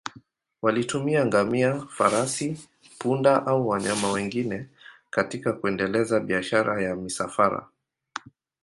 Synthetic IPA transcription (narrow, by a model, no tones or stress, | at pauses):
walitumiaŋɡamiafaɾasi | pundaʔauwaɲamawɛŋɡinɛkatikakuɛndɛlɛzaɓiaʃaɾajamisafaɾa̰